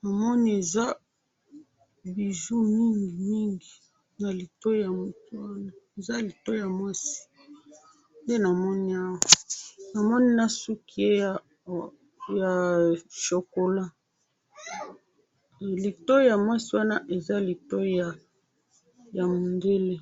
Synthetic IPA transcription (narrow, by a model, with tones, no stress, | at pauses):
na˨mɔ˦ni˦e˨za˦ | bi˨ʒu˦mi˦ŋɡi˨mi˦ŋɡi˨ | na˨li˨to˦ja˨mo˨tu˦wa˦na˦e˨za˦li˨to˦ja˨mwa˦si̥˦ | nde˦na˨mɔ˦ni˦a˦wa˨na˨mɔ˦ni˦na˦su˦ki˦e˦˨ | ja˨ʃo˨ko˨la˦˨ | li˨to˦ja˨mwa˦si˦wa˦na˦ʔe˨za˦li˨to˦a˨ | ja˨mo˨nde˦le˦